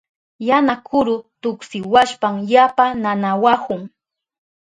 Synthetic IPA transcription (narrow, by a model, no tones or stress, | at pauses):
janakʰʊɾʊt̪ʊksɪwaʃpaŋjapananawahʊŋ